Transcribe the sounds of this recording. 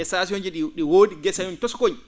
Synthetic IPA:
ɛsas̬iɔnd͡ʒiɗiɗiwoːdiɡɛsajuntɔskod͡ʒ

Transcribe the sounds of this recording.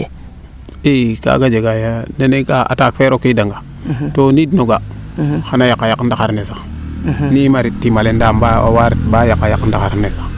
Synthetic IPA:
ika̰ɡad͡ʒeɡajanenekaa̰takfeɾokidaŋɡa | tonidnoɡaxanajakːajakːdaxaɾnesa | nimaɾitːimalendambaa̰waɾitbajakːajakːədaxaɾnesḁ

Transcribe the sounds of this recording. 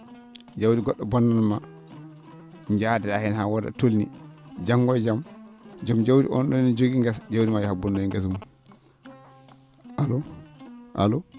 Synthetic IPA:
d͡ʒawdiɡɔɗːɔbɔnːanma | ɲd͡ʒadɛahɛnhawɔda̰tolnḭd͡ʒaŋɡɔjd͡ʒamd͡ʒamd͡ʒawdḭʔɔ̰nɗɔnid͡ʒoɡiŋɡɛsd͡ʒawdimajɛhabɔnːoiŋɡas̬mu | alɔ | ʔa̰lɔ

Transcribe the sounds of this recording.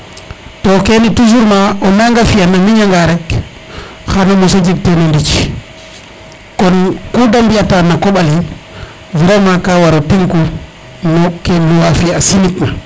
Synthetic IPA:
tɔkenitus̬uɾmaʔɔnaŋɡafijanamiɲaŋɡaɾɛk | xanamusad͡ʒik̚tɛnondit͡ʃ | kɔnkɔdambiatanakɔɓali | vɛɾɛmakawaɾɔtiŋku | nɔkɛnuwafiasinikma

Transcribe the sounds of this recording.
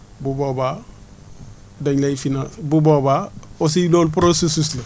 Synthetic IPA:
buboba | daɲlaifinãsbubobaos̬iloːlp̬ɾosesuslɐ

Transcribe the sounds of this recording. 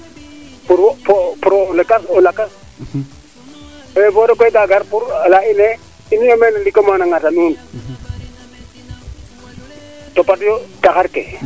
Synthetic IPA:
puɾwpɔpuɾolɛkasɔlakas | vɔɾɔk̬ɔɡaɡaɾpuɾlainɛ | iniamɛnlikomanaŋatanuːn | tɔpatjɔtakaɾkɛ̰

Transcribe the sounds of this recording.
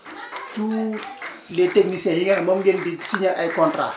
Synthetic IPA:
tu | leteknisẽhiŋamomɡendisiɲaʔaikɔntɾa̰

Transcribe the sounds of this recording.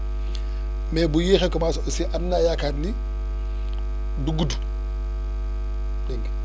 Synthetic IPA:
mɛbujiːxɛkɔmaːsɔsiʔanːajakaːdni | duɡudu | dɛŋɡ

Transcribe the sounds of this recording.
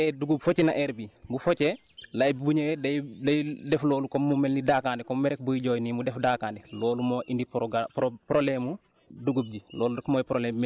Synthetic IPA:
ɛduɡubfocinaʔɛɾbibufocɛ | lajbibuɲewɛdajdɐjdɛfloːlukɔmːumɛlnidakaːndɛkɔmmɛɾɛk̚bujiɟoːjnimudɛfdakaːndɛlɔːlumoʔindipɡppɾolɛmu | duɡub̚ɟilɔːludɛkmojpɾolɛmː

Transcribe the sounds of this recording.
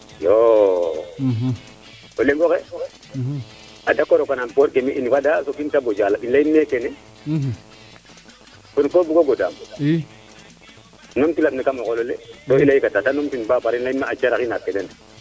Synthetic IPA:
jo | oleŋɡɔkɛ | adakːɔɾokanampoɾkemiʔinipadasokintabod͡ʒalailajimːekɛnɛ | ponkobuɡoɡoda̰m | nɔmtilaɓnikamɔkɔlɔlḛtoilajikatatanɔmtinbapaɾinlaimaat͡ʃaɾakinapːɛdɛn

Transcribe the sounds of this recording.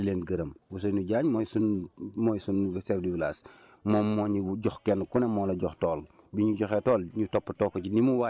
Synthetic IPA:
ileːnɡɐɾɐmwus̬ɐnuɟaːɲmɔjsunmɔjsunsɛfdiwlaːs | mɔːmːɔːɲuɟɔxkɛnkunɛmɔlɐɟɔxtɔːl | biɲuɟɔxɛtɔːlɲutɔpːətɔːkːɔcinimuwa

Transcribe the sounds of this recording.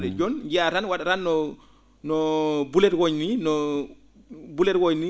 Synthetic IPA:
ɗɛd͡ʒɔnd͡ʒiatanwaɗaɾanːɔ | nɔbulɛɾwɔɲninɔ | bulɛɾwɔɲni

